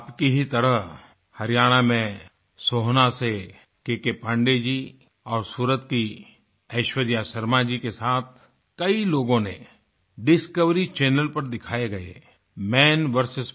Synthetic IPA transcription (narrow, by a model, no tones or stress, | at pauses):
pkiɦit̪ɐɾəɦ | hɐɾijaːɽ̃amẽ | soːɦnase | kekepə̃ɳɖed͡ʒi | ɔːɾsuːɾət̪ki | ɐɪʃwəd̪jasəɾmad͡ʒikesaːt̪̚ʰ | kɐiloːɡõne | ɖɪskəʋɾit͡ʃɛːnəlpɐɾd̪ɪkʰaːeɡɐḛ | mɛːnʋəɾsɪs